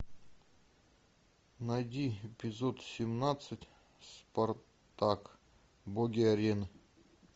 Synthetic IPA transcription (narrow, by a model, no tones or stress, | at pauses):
nɐjdʲiepʲɪzot̪sʲɪmnat̪sɨtʲ | spɐr | t̪ak | boɡʲiɐɾʲenɨ